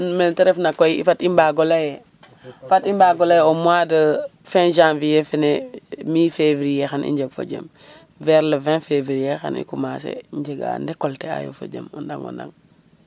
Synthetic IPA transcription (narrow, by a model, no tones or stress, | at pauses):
mentɛɾɛfnakɔiifatimbaɡɔlajɛ | fatimbaɡɔlajɛɔmwadəfɛ̃ʒãmvijɛfɛnemiːfevɾijɛxanḭɲd͡ʒeɡfo̰d͡ʒḛm | vɛɾləvɛ̃fevɾijexa̰nḭkumasḛɲd͡ʒeɡa̰ndɛkɔltɛa̰jo̰fo̰d͡ʒḛmɔndaŋo̰nda̰ŋ